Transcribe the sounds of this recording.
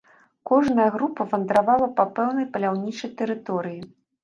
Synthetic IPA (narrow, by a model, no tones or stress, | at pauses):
kɔʐnɐjɐɣɾupɐvɐnd̪ɾavalˠɐpɐpɛwnɐjpɐlʲawnʲit͡ʂɐjt̪ɛɾɨt̪ɔɾɨji